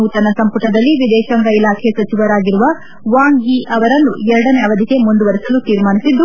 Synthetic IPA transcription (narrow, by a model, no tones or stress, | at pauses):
uːt̪ɐnɐsɐmpuʈɐd̪ɐlːiʋid̪ɛːʃɐŋɡɐilaːkʰesɐt͡ʃiʋɐɾaːɡiɾuʋɐ | ʋaːŋɡiʔɐʋɐɾɐnːuɛɾɐɽɐneɐʋɐd̪ʱike̞mund̪uʋɐɾisɐlut̪iːɾmaːnisid̪ːu